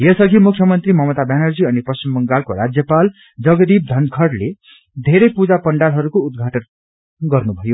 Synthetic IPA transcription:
jʌsʌɡʱimukʰːjʌmʌnt̪rimʌmʌt̪abjanʌrd͡ziʌnipʌst͡ɕimbʌŋɡalkoɾad͡zjʌpal | d͡zʌɡʌd̪ib̚d̪ʱʌnd̪kʰʌɽle | d̪ʱeɾʌjpud͡zapʌɳɖalɦʌɾukoud̪̚ɡʱaʈʌn | ɡʌrnubʱʌjo

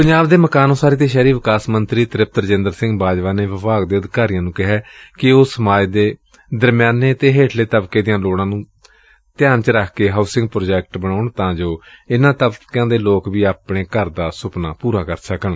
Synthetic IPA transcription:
pəɲd͡ʒaːbd̪eːməkaːnõːsaːɾeːt̪eːʃɛːɾiːʋɪkaːsmənt̪ɾiːt̪ɾɪp̚t̪əɾd͡ʒɪ̃nd̪əɾsɪ̃ŋɡbaːd͡ʒʋaːneːʋɪpaːɡd̪eːəd̪ɪkaːɾɪjãːnũːkɪɦɛːkɪʊːəmaːjd̪eː | d̪əɾmjaːneːət̪eːɦeːʈʰleːt̪əbkeːd̪ɪjãːloːɽ̃ãːnũː | t̪ɪjaːnt͡ʃəɾəkʰkeːɦaːʊsɪ̃ŋɡpɾoːd͡ʒɛːk̚ʈbəɽ̃aːʊɳt̪ãːd͡ʒoːɪnãːt̪əbkãːd̪eːloːkʋiːaːpɳeːkəɾd̪aːsʊpnaːpuːɾaːkəɾsəkəɳ

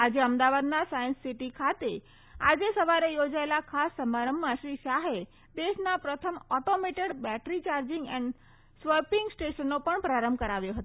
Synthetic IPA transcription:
ad͡ʒeəmd̪aʋad̪nasajə̃nssiʈikʰat̪e | a̰d͡ʒesəʋaɾejod͡ʒaelakʰasːəmaɾəmːãʃɾiʃaɦe | d̪eʃnapɾət̪ʰəmɔʈomeʈeɽbɛʈɾit͡ʃaɾd͡ʒɪŋɡɛɳɖ | sʋəɾpiŋɡsʈeʃənːopəɳpɾaɾəmbʱkəɾaʋjoɦət̪o

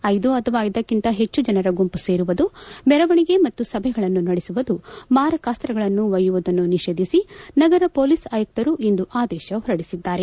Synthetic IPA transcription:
ɐjd̪uɐt̪ʰɐʋaːjid̪ɐkːint̪ɐɦe̞t͡ʃːud͡ʒɐnɐɾɐɡompuse̞ːɾuʋɐd̪umɛɾɐʋɐɳiɡe̞mɐt̪ːusɐbʱɛɡɐɭɐnːunɐɽesuʋɐd̪umaːɾɐkaːst̪ɾɐɡɐɭɐnːuʋɐjuʋud̪ɐnːuniʃe̞ːd̪ʱisinɐɡɐɾɐpo̞ːlisaːjɐk̚t̪ɐɾuʔind̪uʔaːd̪ɛːʃɐɦɔɾɐɽisid̪ːaːɾe̞

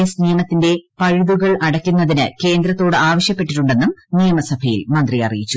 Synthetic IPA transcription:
esnijɐmɐt̪ːinde̞pɐɻuðuɣɐɭɐɽɐkʲːunːɐðinɨke̞ːnd̪ɾɐt̪ːo̞ːɽɨaːʋɐɕjɐpːe̞ʈːiʈːuɳɖe̞nːumnijɐmɐsɐbʱɐjḭlmɐnd̪rijɐ̰rḭjit͡ɕːu

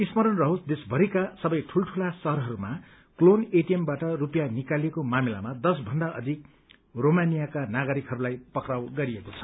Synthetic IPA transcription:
ismʌɾʌnrʌɦosd̪esbʱʌɾikasʌbʌjʈʰulʈʰulasʌɦʌɾɦʌɾuma | kloneʈiembaʈʌrupjanikalekomamila̰mad̪ʌsbʱʌnd̪aʔʌ̰d̪ʱik̚ | romanijakanaɡʌɾikɦʌɾulajpʌkrawɡʌɾijekot͡sʰʌ̥

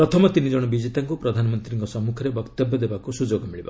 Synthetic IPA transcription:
pɾɔt̪ʰɔmɔt̪inid͡ʒɔɽ̃ɔbid͡ʒet̪aŋkupɾɔd̪ʱanɔmɔnt̪ɾiŋkɔsɔmːukʰɔɾebɔkt̪ɔbjɔd̪ebakusud͡ʒoɡɔmiɭiba̰

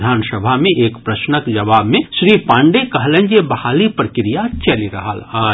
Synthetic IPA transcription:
d̪ʱaːnsəbʱamẽʔeːkpɾɐʃnəkd͡ʒɐʋaːbmẽʃɾiːpãːɳɖekɐɦlə̃ɲd͡ʒebɐhaːlipɾəkɪɾijat͡ʃɐliɾɐ̰ɦa̰laː

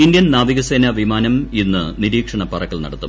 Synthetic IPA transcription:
ind̪jɐnnaːʋiɣɐseːnɐʋimaːnɐminːɨniɾiːkʂɐɳɐpɐrɐkːɐɭnɐ̰ɽɐt̪ːṵm

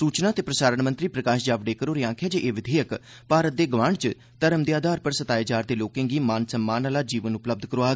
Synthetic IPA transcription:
suːt͡ʃnaːt̪eːpɾəsaːɾəɳmə̃nt̪ɾiːpɾəkaːʃd͡ʒaːʋɖeːkəɾoːɾeːãːkʰjeːd͡ʒeːʔeːʋɪd̪ʱeːjək | paːɾət̪̚d̪eːɡʋãːɳt͡ʃ | t̪əɾəmd̪eaːd̪ʱaːɾpəɾsət̪aːjaːt͡ʃaːɾd̪eːloːkẽːŋɡiːmãːnsəmːaːnaːlaːd͡ʒiːʋənʊpləb̚d̪ʱkəɾoːaː

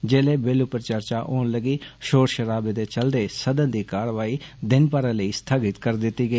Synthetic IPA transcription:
d͡ʒeːleːbeːlʊpəɾt͡ʃəɾt͡ʃaːʔoːnləɡiːʃoːɾʃəɾaːbeːd̪eːt͡ʃəld̪eːsəd̪ənd̪iːkaːɾʋaːiːd̪ɪnpaɾãːləiːst̪ʰaːɡɪt̪kəɾd̪ɪt̪ːiːɡəiː

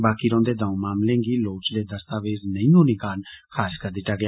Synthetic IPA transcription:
baːkiɾõːnd̪ed̪ãmaːmlẽŋɡiloːt͡ʃled̪ɐst̪aːʋeːznə̃ĩnũːnĩkaːnkʰaːskɐɾd̪ɪʈaɡj

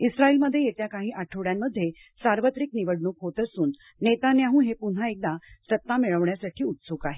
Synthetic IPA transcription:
isɾaiːlməd̪ʱːjejet̪jakaɦiːʔaʈʰəʋɽjamːəd̪ʱːje | saɾʋət̪ɾiːkniʋəɽɳuːkɦot̪əsuːnː | et̪anjaɦũːɦepun̤aek̚d̪asət̪ːameɭəʋɳjasaʈʰiːut̪suːkaɦe

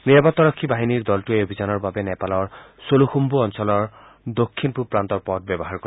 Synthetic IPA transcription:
niɹbɔt̪ːɔɹɔkʰːibaɦiniɹd̪ɔltueobʱizanɔɹbabɛnɛpalɔɹ | soluxumbuɔnsɔlɔɹ | d̪okʰːinpupɹant̪ɔɹpɔt̚bɛbɔɦaɹkɔɹ

